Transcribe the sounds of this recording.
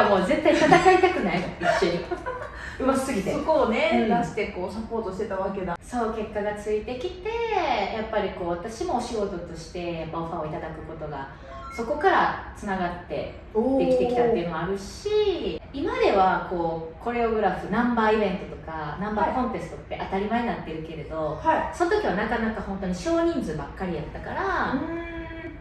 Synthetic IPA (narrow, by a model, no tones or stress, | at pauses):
amo̞ːzẽ̞ait̪at̪akait̪akɯ̟naiiɕoi | ɯβasɨɡʲit̪esokone̞ast̪eko̞ːsapo̞ːt̪oɕt̪e̞t̪aβake̞d̪aso̞ːke̞kːaɡat͡sɨit̪e̞kʲit̪e̞japːaɾʲiko̞ːβat̪aɕimo̞ːɕiɡo̞t̪o̞t̪o̞ɕi̥t̪e̞japːaoɸaoit̪ad̪akɯ̟ko̞t̪o̞ɡa̰ | so̞ko̞kaɾat͡sɨnaɡat̪ːe̞̰ | d̪e̞kit̪e̞kʲit̪at̪ːeiɯ̟nomoaɾɯ̟ɕ | iimad̪e̞βako̞ːkʰo̞ɾe̞oɡɯ̟ɾaɸɯ̟nãmbaːibẽ̞nt̪o̞t̪o̞kanãmbaːkõ̞nt̪e̞sɨ̥t̪o̞t̪ːe̞ʔat̪aɾʲimaeɲʲinat̪ːeɾɯ̟ke̞ɾe̞d̪o̞haso̞not̪o̞kʲiβanakanakahõ̞nt̪o̞ɲ̟iɕo̞ːɲ̟ĩnd͡zɨbakːaɾʲijat̪ːakaɾa